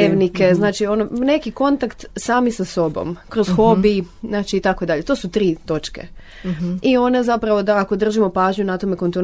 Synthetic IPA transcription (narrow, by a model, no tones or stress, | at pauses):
eʋnikeznaːt͡ʃio̞none̞kiko̞nt̪akt̪saːmisaso̞bo̰mkɾozxo̞biznaːt͡ʃiːt̪ako̞ed̪aʎe̞t̪oːsut̪ɾiːt̪o̞t͡ʃkḛ | io̞ne̞zapɾaʋo̞d̪aːko̞d̪r̩ʒimo̞paːʒɲunat̪o̞me̞kont̪in